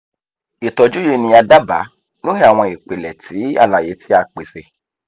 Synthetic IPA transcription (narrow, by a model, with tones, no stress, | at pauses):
i˨tɔ˨d͡ʒu˦je˧nĩ˧a˧da˦ba̰˨˦ | no˦hẽ˦a˨w̃ɔ̃˧i˨k͡pe˨lɛ˨tʰi˨˦a̰˦˨la˨je˨˦tʰi˦a˧k͡pe˨se˧˦